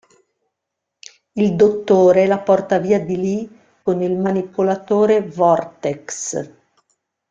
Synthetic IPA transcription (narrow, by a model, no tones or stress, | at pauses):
ild̪ot̪ːoːɾelapɔrt̪aviːad̪ili | konilmanipolat̪oːɾevɔrt̪eks